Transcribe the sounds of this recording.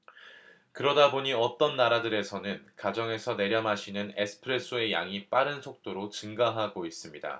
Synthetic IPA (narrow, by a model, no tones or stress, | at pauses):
kɯɾʌdaboɲiʌt͈ʌnːaɾadɯɾe̞sʰʌnɯnkad͡ʑʌŋe̞sʰʌne̞ɾjʌmɦaɕʰinɯne̞sʰɯ̥pʰɯɾe̞s͈ʰɯe̞ja̰ŋip͈aɾɯnsʰok̚t͈oɾot͡ɕɯŋɡaɦaɡois͈ɯmɲida̰